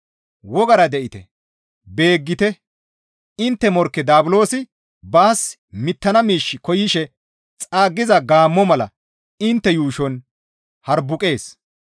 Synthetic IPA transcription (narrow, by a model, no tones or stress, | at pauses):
wɔɡɐɾɐd̪ɛʔɪt̪ɛ̰ | be̞ːɡːɪt̪ɛ | ɪnt̪ːɛmɔɾkːɛd̪aːbʊlo̞ːsɪ | baːs | mɪt̪ːɐnɐmiːʃːɪkɔjɪʃɛ | t͡sʼaːɡːɪzɐɡaːmːɔmɐlɐ̰ | ɪnt̪ːɛjuːʃɔn | hɐɾbʊkʼe̞ːs